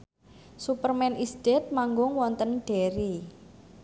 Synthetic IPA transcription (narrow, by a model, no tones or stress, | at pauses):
supərmɛnʔisd̪̥et̪̚maŋɡʊŋwɔnt̪ənɖ̥e̤ɾi